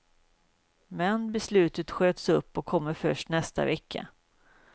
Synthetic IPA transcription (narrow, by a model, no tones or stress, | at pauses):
mɛnbɛslʉ̟ːt̪ət̪ɧøːt̪sɵpːɔkʰːɔmːəɾfœʂʈnɛst̪a̰vɛkʰːa̰